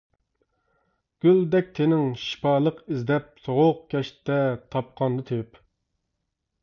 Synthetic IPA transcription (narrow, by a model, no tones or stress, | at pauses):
ɡ̥ʲyld̪ɛk̚ʲt̪ʰenɪŋʃi̥pɑːlˠəqizd̪ɛp̚soʁʊq̚kʲʰɛʃt̪ʰːɛt̪ʰɑp̚qʰɑnd̪ɨt̪ʰøp